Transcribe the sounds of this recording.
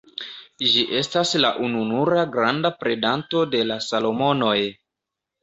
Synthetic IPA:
ʒiʔe̞staslaʔununuɾaɡɾandapɾe̞danto̞de̞lasalo̞mo̞no̞j

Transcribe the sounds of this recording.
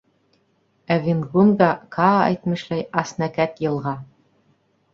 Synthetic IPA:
ævʲinɡunɡɑkʰɑæ̰jt̪mɘ̆ʃlæjɑsnækæt̪jɤ̆lˠʁɑ

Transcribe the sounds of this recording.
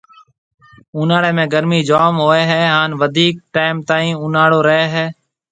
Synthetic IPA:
uːnaːɽeːmẽːɡəɾmiːd͡ʒaːmɦoːeːɦɛːɦaːnʋəd̪ʱiːk̚ʈaːɪmt̪aːĩːuːnaːɽoːɾəɦeːɦɛː

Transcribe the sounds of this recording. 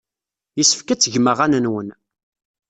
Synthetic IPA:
jəsə̥fkæt͡sːəʝməʁanənwən

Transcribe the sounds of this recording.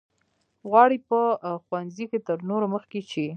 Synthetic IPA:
ɣwɑɽipəxwanziket̪əɾnoɾoməxket͡ʃe

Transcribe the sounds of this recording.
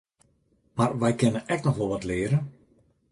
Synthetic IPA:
marʋɛjkɪnənʔɛk̚nɔxʋɔlˠʋɔtlɪːəɾə

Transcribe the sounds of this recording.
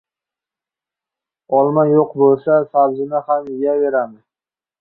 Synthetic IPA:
ɒlˠmajoqbolˠsasabzɪnahamɪjaveɾamɪ

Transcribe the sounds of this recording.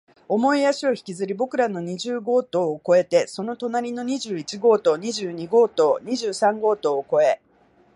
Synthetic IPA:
o̞mo̞ijaɕio̞çi̥kʲizɨɾʲibo̞kɯ̟ɾano̞ɲ̟iʑɨːɡo̞ːt̪o̞ːko̞e̞t̪e̞so̞no̞t̪o̞naɾʲino̞ɲ̟iʑɨːit͡ɕiɡo̞ːt̪o̞ːɲ̟iʑɨːɲ̟iɡo̞ːt̪o̞ːɲ̟iʑɨːsãŋɡo̞ːt̪o̞ːko̞e̞

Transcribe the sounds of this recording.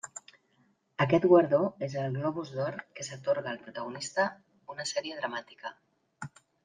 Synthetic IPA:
əkɛt̪ɣwaɾðoezəlˠɣlɔβuzðɔɾkesat̪oɾɣaːlpɾut̪aɣ̞unist̪ə | unəsɛɾieðɾamat̪i̥kə

